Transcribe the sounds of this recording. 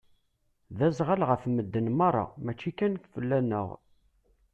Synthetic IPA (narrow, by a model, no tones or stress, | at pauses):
ðæzʁəlʁəfməd̪ːənmɑɾˤːɑ̰mæt͡ʃːikænkfəlːænə̰ʁ